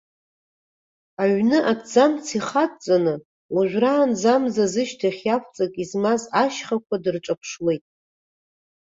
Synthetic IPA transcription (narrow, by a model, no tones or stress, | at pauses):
aɥnɨʔatʰʼd͡zamt͡sʰiχatʼt͡sʼanɨ | waʒᶣraːnzamzazɨʃtʰaχʲjakʷʰt͡sʼakʼizmazaʃχakʷʰadɨrʈ͡ʂʷʼapʰʂwe̞jtʼ